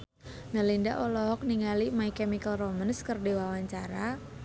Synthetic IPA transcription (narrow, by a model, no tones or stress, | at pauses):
nəlinda̰ʔɔlɔɦɔk̚niŋalimaikɛmikəlromənskərdiwawaɲt͡ʃaɾa